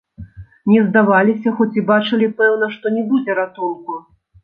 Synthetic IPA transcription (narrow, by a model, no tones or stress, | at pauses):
nʲɛzd̪avalʲisʲɐxɔt͡sʲibat͡ʂɨlʲipɛwn̪ɐʂt̪ɔnʲɛbud͡zʲɛɾat̪unku